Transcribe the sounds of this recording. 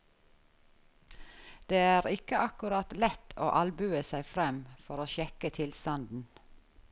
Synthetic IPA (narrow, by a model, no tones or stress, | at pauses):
d̪̥eːæːɾɪkəʔɑkʉɾɑt̪lɛt̪ʰo̰ːʔɑlbʉːəsæɪfɾɛmfɔɾoːʃɛkət̪ʰɪlst̪ɑnd̪n̩